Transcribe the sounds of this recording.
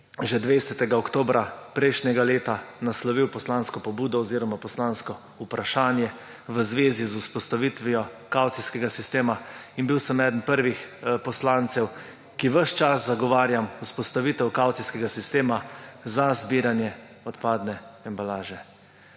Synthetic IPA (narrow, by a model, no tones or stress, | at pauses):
ʒɛd̪ʋesɛt̪ɛɡaɔkt̪oːbɾʔapɾɛjʃnʲɛɡaleːt̪anaslɔʋiwpɔslanskɔpɔbuːd̪ɔɔziːɾɔmapɔslanskɔ | upɾaʃaːnjɛ | ʋəzʋeːzizuspɔst̪aʋit̪ʋijɔ | kawt̪siskɛɡasist̪eːmainbiwsəmɛːd̪ənpəɾʋixpɔslant̪sɛw | kiʋəʃt͡ʃaszaɡɔʋaːɾjamuspɔst̪aʋit̪ɛwkawt̪siskɛɡasist̪eːmazazbiːɾanjɛ | ɔt̪paːd̪nɛɛmbalaːʒɛ